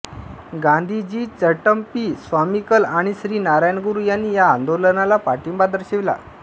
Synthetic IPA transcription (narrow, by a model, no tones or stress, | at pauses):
ɡãnd̪ʱid͡ʑiːt͡səʈəmpisʋamikəlaɽ̃iɕɾiːnaɾajnəɡuɾuːjanːiːjaːnd̪olənalapaʈimbad̪əɾɕeʋla̰